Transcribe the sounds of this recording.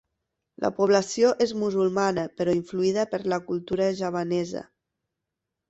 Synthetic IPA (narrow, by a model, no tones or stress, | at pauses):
lʔə̰puβ̞lasioʔezmuzulˠmanəpəɾɔiɱfluiðəpəɾləkulˠt̪uɾəʒaβanɛzə̰